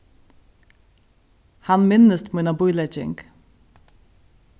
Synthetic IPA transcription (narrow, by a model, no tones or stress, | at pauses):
hɑnmɪnəst̪munabʊjlɛd͡ʒɪ̰ŋk